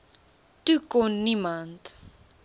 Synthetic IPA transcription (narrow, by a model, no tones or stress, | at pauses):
tukonːimant